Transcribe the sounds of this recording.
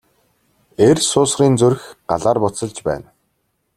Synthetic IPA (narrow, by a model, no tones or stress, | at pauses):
ersʊːsriːnt͡sɵrxɢa̰ɮaːrpʊt͡sə̆ɮt͡ɕpæ̰ːn